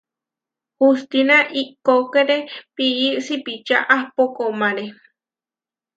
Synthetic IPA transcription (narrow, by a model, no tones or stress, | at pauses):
hust̪inaʔikokeɾepiiʔsipit͡ʃa̰ʔahpokomaɾe